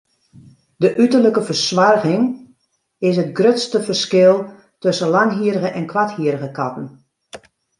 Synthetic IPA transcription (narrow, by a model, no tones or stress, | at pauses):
dəʔytərləkəfərsʋarɣɪŋ | ɪs̬ətɡrøtstəfərskɪlˠ | tøsənlaŋɦiəɾəɣəʔɛnkʰʋathiəɾəɣəkatən̩